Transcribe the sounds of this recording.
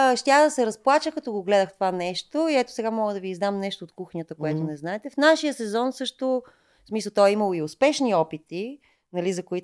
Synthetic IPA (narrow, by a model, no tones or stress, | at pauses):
ʃt̪ʲaxd̪ɐsɛɾɐsplˠat͡ʃəkɐt̪ɔɡoɡlɛd̪əxt̪ovanɛʃt̪oiɛt̪o̥sɛɡamɔɡəd̪ɐviːzd̪amnɛʃt̪oːt̪kuxnʲət̪əkojat̪onɛznaɛt̪ɛfnaʃijəsɛzɔnsɤʃt̪o | smisəlˠt̪ɔɛimɐlˠoiospɛʃniɔpit̪i | nɐlizɐkoit̪